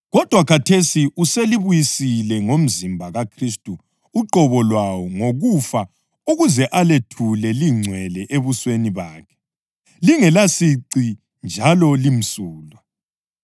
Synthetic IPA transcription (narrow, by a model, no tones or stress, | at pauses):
ɣɔd̥ʱwakʰatʰesiʔuseliβujisilɛŋom̩zimbʱaɣakʰristʼuː | ǃɔβɔlwawɔŋoɣufa | uɣuzɛʔaletʰulɛliŋ͡ǀʱwɛlɛʔeβusweniβaːkʰɛ̥ | liŋɛlasiǀi | nd͡ʒʱalɔlim̩suːlwa